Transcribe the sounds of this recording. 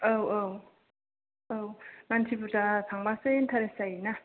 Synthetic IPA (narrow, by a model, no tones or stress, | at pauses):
awaw | awmantʰiputatʰaŋbasent̪ʰaɾesaina